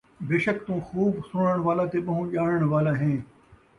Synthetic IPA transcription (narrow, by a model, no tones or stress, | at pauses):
beːʃəkt̪ũːxuːbsʊɽ̃əɽ̃ʋaːlat̪eɓɐɦũːʄaːɽəɽ̃ʋaːlaɦẽː